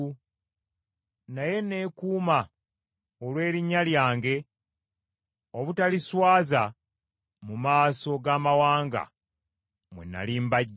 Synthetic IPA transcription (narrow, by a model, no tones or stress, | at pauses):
naje̞ne̞ːkuːma | olwe̞ːɾiɲːaljaːŋɡe̞ | o̞βutaliswaːza | mumaːso̞ɡaːmawaːŋɡa̰ | mwḛna̰liːmbaɟː